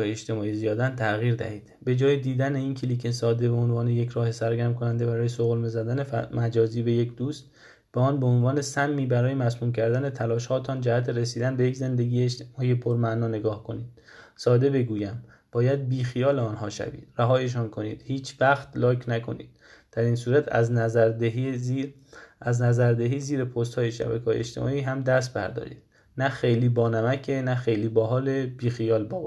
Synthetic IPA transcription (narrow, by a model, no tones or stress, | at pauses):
eeʃt̪e̞mɒːizijɒːd̪ænt̪ʰæɣiːɾd̪æ̰hiːd̪̥be̞d͡ʒɒːjed̪iːd̪æneiːnkʰeliːcʰesɒːd̪e̞beonvɒːneje̞cʰɾɒːhe̞sæɾɡæɾmkʰo̞nænd̪e̞bæɾɒːjesoɣlmezæd̪ænemæd͡ʒɒːziːbe̞je̞cʰd̪uːst̪̚ | b̥eɒːnbe̞onvɒːne̞sæmːiːbæɾɒːje̞mæsnuːmcʰæɾd̪æne̞t̪ʰælɒːʃhɒːt̪ʰɒːnd͡ʒæhæt̪ʰeɾesiːd̪ænbe̞jecze̞nd̪e̞ɡiːjeːʃt̪emɒːijepʰoɾmænɒːne̞ɡɒːhkʰo̞niːd̪̥ | sɒːd̪e̞be̞ɡuːjæm | b̥ɒːjæd̪̚biːxijɒːleɒːnɦɒːʃæ̰bḭːd̪̥ræɦɒːjeʃ̬ɒːnkʰo̞nḭːd̪̥hiːt͡ʃʰvæxt̪lɒːkʰnækʰo̞̰nḭːd̪̥̚ | d̪̥æɾiːnsuːɾæt̪ʰæ̰znæzæɾd̪eɦi | ʔæznæzæɾd̪eɦiːziːɾepʰost̪hɒːjeʃæ̰bæ̰kʰɒːjḛt͡ʃt̪ʰe̞̰mɒ̰ːiːɦæmd̪æs̬t̪̚bæɾd̪ɒ̰ːɾḭːd̪̥ | næxe̞jliːbɒːnæmækʰenæxe̞jliːbɒːɦɒːlebiːxijɒːlbɒːb